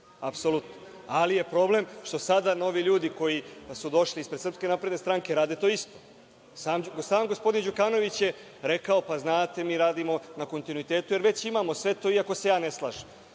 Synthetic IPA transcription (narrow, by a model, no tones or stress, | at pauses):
apso̞lut̪no | alije̞pɾo̞ble̞mʃt̪o̞sad̪ano̞ʋiʎuːd̪iko̞jisud̪o̞ʃlispɾed̪srpske̞napɾe̞d̪nest̪ɾaŋke̞ɾaːd̪e̞t̪o̞ːist̪o̞ | saːmɡsaːmɡospo̞d̪ind͡ʑukaːno̞ʋit͡ɕje | ɾe̞kao̞paznaːt̪e̞miːɾaːd̪imo̞nako̞nt̪inuit̪e̞ːt̪ujeɾʋe̞t͡ɕimamo̞sʋe̞t̪o̞iako̞se̞jaːne̞slˠa̰ːʒem